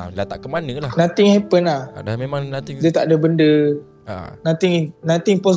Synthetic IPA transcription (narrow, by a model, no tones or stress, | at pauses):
lat̪aʔkəmanəlanãt̪ɪŋhɛpənahamemadiət̪aʔdəbəndə̰ | nãt̪ɪŋnãt̪ɪŋpɔ